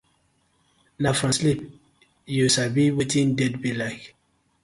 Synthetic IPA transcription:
nafɹɔ̃nslip̚ | jusabiwitĩndɛdbilaɪk

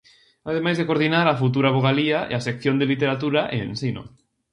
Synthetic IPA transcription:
að̞emajzðekoɾð̞inaɾafut̪uɾaβ̞oɣ̞aliaḛasekθjond̪elit̪eɾat̪uɾaʔensino̰

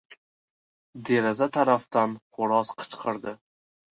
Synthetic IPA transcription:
d̪e̞ɾazat̪ʰaɾaft̪anχʊɾɒsqʰɨ̥t͡ʃqʰɨɾd̪ɪ

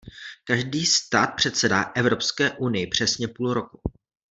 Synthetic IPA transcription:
kaʒdiːst̪aːt̪̚pr̝̥ɛt̪sɛdaʔɛvɾo̞pskɛːʔunɪjɪpr̝̥ɛsɲɛpuːlɾo̞ku

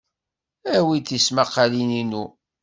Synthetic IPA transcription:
æwit̪ismaqːalininu

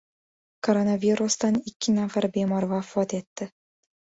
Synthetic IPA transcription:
koɾonavʲiɾust̪ɑnikʲːɪnafɑɾbʲemɑrvɑfɔt̪et̪ːɘ̆

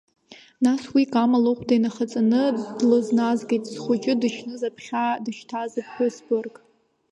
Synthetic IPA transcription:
naswikʼamaloχʷʰʼdajnaχat͡sʼanɨdlɨznazɡejtʼz̥χʷʊt͡ʃʼɪdɨʃnɨzapʰχʲadɨʃtʰazapʰkʷʊsbɨrkʼ

